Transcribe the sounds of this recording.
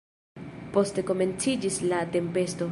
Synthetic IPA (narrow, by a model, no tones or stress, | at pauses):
po̞ste̞ko̞me̞nt͡sid͡ʒislate̞mpe̞sto̞